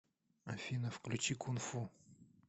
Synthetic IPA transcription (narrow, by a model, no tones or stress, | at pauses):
ɐ̰fʲinəfklʲʊt͡ɕikʊnfu